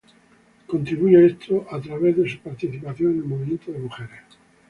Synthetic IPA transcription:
ko̞nt̪ɾiβuʝoest̪ʰoʔat̪ɾaβeððesupaɾt̪iθipaθjoŋenelmoβimjent̪oðemuxeɾes

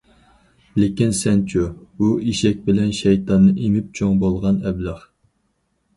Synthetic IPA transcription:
lɪkʲinsɛnt͡ʃʰubuiʃɛk̚ʲbɪlɛnʃɛjt̪ʰɑnːɨʔemɪp̚t͡ʃʰoŋbolˠʁɑnɛbləχ

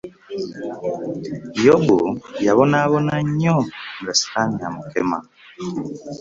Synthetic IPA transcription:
joɡujaβonaβonaɲoŋɡasi̥kaɲamukḛma̰

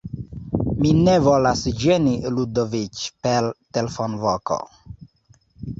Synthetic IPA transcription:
minevolasd͡ʒeniludovit͡ʃpeltelefonvoko̰

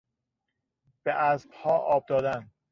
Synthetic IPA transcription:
b̥eʔæzb̥hɒːʔɒːb̚d̪ɒːd̪æn

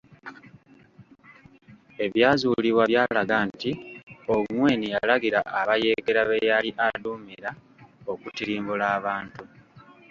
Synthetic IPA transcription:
e̞βjaːzuːliβwaβjaːlaɡantioŋwe̞ːnijalaɡiɾaʔːβaje̞ːɡe̞ɾaβejaliʔaduːmiɾa | o̞kutiɾiːmbulaːβaːntu

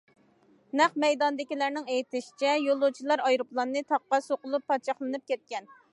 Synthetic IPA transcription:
næχmɛjd̪ɑnd̪ɪkʲilæɾnɪŋejit̪ɪʃi̥t͡ʃʰɛjolˠut͡ʃʰilˠɑɾɑjɾuplˠɑnːɨt̪ʰɑqːɑsoqʊlˠupʰːɑt͡ʃʰɑχlˠɨnɨp̚kʲɛt̪̚kʲɛn

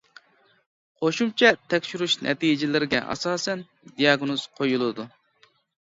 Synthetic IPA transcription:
qʰoʃumt͡ʃʰɛt̪ʰɛkʲʃyɾuʃnʔɛ̰t̪ijd͡ʒɪlɪɾɪɡʲɛ̰ʔɑ̰sɑːsɛn | d̪ijɑɡnoz̥qʰojulˠɨd̪u

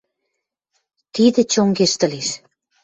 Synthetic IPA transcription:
t̪id̪ĕt͡ɕoŋɡeʃt̪ə̆leʃ

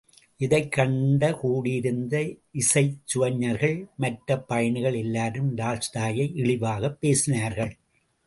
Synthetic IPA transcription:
ʔɪðɐɪkːɐɳɖɐkuːɽɪɪɾɯnd̪ɐɪsɐɪt͡ʃːʊʋɐɲːɐɾɣɐɭmɐʈɾɐpːɐjɐɳɯɣɐɭɛlːaːɾɯmɾaːlst̪aːjɐɪʔɪɭɪʋaːɣɐpːeːsɪnaːɾɣɐɭ

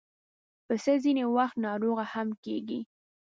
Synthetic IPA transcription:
pəsəzinewaxt̪nɑɾoɣahamkeɡi

